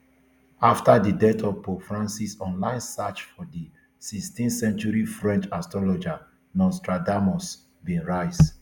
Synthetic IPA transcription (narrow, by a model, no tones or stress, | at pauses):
aftadidɛtʰɔpofɹãnsisɔ̃nlãɪ̃nsat͡ʃfɔdi | sikstĩnsɛ̃nt͡ʃuɹifɹɛ̃nt͡ʃastɹɔlɔd͡ʒa | nɔ̃nstɹadamɔs | bĩnɹaɪs